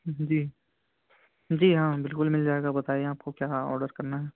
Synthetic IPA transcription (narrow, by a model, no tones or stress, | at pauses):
d͡ʒiː | d͡ʒiːɦãːbɪlkʊlmɪld͡ʒaːeːɡabɐt̪aːeeaːp̚kokjaːɔ̰ːɾɖəɾkɐɾnaɦɛː